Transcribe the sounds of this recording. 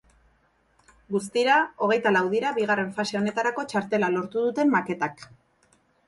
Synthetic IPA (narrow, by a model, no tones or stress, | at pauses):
ɡus̬t̪iɾao̞ɣe̞jt̪alawð̞iɾaβiɣare̞ɱfase̞o̞ne̞t̪aɾako̞t͡ʃaɾt̪e̞lalo̞ɾt̪uðut̪e̞mːake̞t̪ak